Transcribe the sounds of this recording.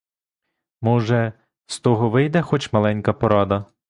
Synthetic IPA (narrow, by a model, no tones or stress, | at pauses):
mɔʒɛ | st̪ɔɦɔʋɪjd̪ɛxɔt͡ʃmɐlˠɛnʲkɐpɔɾɑd̪ɐ